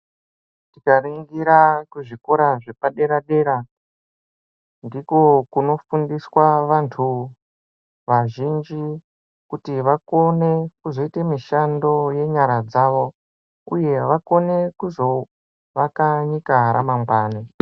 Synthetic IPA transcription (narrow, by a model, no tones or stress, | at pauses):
tikariŋɡiɾakuʐikoɾaʐepaɗe̞ɾaɗe̞ɾa | ndiko̞kuno̞fundiswaʋantʰu | ʋaʒind͡ʒi | kutiʋako̞ne̞kuzo̞itemiʃando̞je̞ɲaɾad͡zaʋo̞ | ṵje̞ʋako̞ne̞kuzo̞ | ʋakaɲikaɦaɾa̰mambaːne